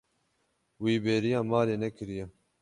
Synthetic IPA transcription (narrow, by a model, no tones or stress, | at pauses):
wiːbeːɾijɑːmaːleːnɛkʰɨɾijɛ